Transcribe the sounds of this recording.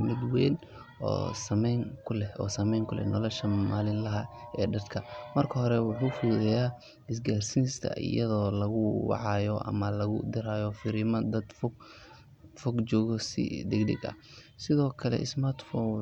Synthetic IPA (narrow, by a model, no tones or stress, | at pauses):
mɪd̪wɛːn | ɔ̰ːsɐmɛjŋkʰʊlɛɔ̰ːsɐmɛjŋkʰʊlɛ̰nɔlɔʃɐmaːlɪnlɐɦɐɛːɖɐd̪kʰɐmɐrkʰɐɦɔɾɛwʊħuːfuːðɛjaː | ɪs̬ɡaːrsinst̪ʰɐ̰ʔɪ̰jɐðɔːlɐɣʊwɑ̰ʕɑjɔʔɐ̰mɐlɐɣʊ̰d̪ɪɾaːjɔfɪɾɪmɐd̪ɐd̪fɡ | fɔɡt͡ʃɔːɣɔsɪ̰ɖ̪ɪɡɖɪ̰ɡɐ̰ | sɪðɔːkʰɐlɛ̰ʔɪsmart̪fɔ